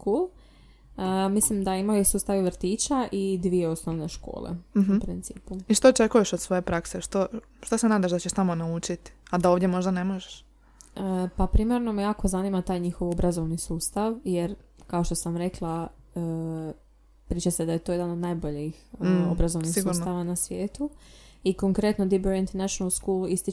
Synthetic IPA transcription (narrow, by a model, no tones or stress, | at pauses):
kul | əmislimd̪aimajosuːst̪aʋiʋɾ̩t̪iːt͡ʃaʔid̪ʋieo̞snoʋneʃko̞̰ːlḛɦupɾint̪sḭːpuiʃt̪ot͡ʃe̞kujeʃod̪sʋo̞jepɾakseʃt̪o | ʃt̪osenaːd̪aʒd̪at͡ɕeʃt̪amo̞naut͡ʃit̪i̥ad̪aoʋd̪ʲjemo̞ʒd̪ane̞moʒeʃ | əpapɾimeɾno̞mejaːkozanimat̪aːjɲixoʋo̞bɾazo̞ʋnisuːst̪aʋjeɾkao̞ʃt̪o̞samɾe̞klˠaə | pɾiːt͡ʃased̪aje̞t̪oje̞d̪anod̪najbo̞ʎixobɾazo̞ʋnnisiɡuuɾsnaʋanasʋjeːt̪uiko̞ŋkɾe̞t̪nod̪ibeɾint̪eɾnaʃonalˠskuluist̪i